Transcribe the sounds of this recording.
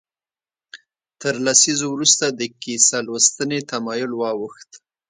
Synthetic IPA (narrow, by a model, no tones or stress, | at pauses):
t̪əɾlasizowɾust̪ad̪əkisalwəst̪ənet̪amɑjʊlwɑwəxt̪